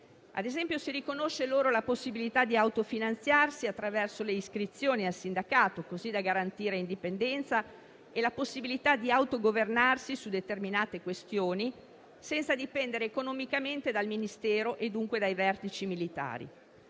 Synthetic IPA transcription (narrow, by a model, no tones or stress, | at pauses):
ʔa̰d̪ezɛmpjosiɾikonoʃːeloːɾolaposːibilit̪ad̪iawt̪ofinant̪sjarsiat̪ːɾavɛrsoleiskɾit̪sːjoːnialsind̪akaːt̪okozid̪aɡaɾant̪iːɾeind̪ipend̪ɛnt̪sa | elaposːibilit̪ad̪iawt̪oɡovernarsisud̪et̪erminaːt̪ekwest̪joːni | sɛnt̪sad̪ipɛnd̪eɾeːkonɔmikament̪ed̪alminist̪ɛːɾoʔed̪uŋkwed̪ajvɛrt̪it͡ʃimilit̪a̰ːɾḭ